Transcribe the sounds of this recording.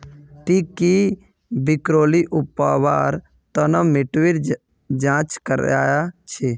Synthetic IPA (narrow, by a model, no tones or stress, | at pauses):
ʈikːi | bɪkɾoːliʔʊpːaʋaːɾ | t̪ənəmeʈʋiɾ | d͡ʒãːt͡ʃkəɾa̰ːjat͡ʃʰe